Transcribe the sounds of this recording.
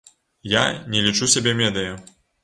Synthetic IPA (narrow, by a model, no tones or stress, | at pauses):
ja̰nʲɛlʲit͡ʂusʲabʲɛmʲɛd̪ɨjɐ